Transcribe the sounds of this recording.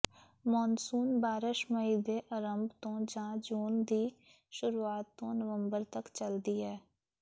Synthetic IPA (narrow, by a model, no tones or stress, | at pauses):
mɔːnsuːnbaːɾɪʃməiːd̪eːʔəɾəmbt̪õːd͡ʒãːd͡ʒuːnd̪iː | ʃʊɾuːaːt̪ːõːnəʋəmbəɾt̪əkt͡ʃəld̪iːɦɛː